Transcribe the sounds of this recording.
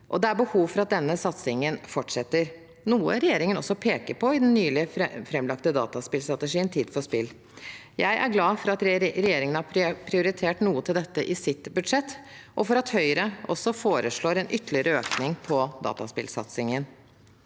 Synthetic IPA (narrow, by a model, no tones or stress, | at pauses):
ʔɔd̪ɛæɾbəhuːʋfɔɾɑt̪̚d̪ɛnːəsɑt̪sɪŋənfɔʈʂɛt̪ːəɾ | nuːə̰ɾɛjeːɾɪŋənɔsːɔpʰeːkəɾpʰɔɪd̪ɛnːyːlɪəfɾɛmlɑkt̪əd̪ɑ̰ːt̪ɑspɪlst̪ɾɑt̪əʂiːənt̪ʰiːd̪fɔspɪlː | jæɪʔæ̰ɾɡlɑːfɔɾɑt̪ɾɛjeːɾɪŋənəhɑpʰɾɪʊɾɪt̪ʰeːʈnuːət̪ʰɪld̪ɛt̪ːəʔɪsɪt̪bʉd̪ʂɛt̪ːʔɔfɔɾɑt̪hœʏɾəɔsɔfoːɾəʂɭoːɾɛnʔʏt̪ːəlɪəɾəøːknɪŋpʰɔd̪ɑ̰ːt̪ɑspɪlsɑ̰t̪sɪŋən